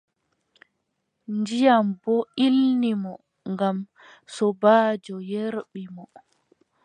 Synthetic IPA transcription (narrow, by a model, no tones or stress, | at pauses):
ndijambɔʔilnimɔ | ŋɡam | sɔbaːd͡ʒɔjeɾɓimɔ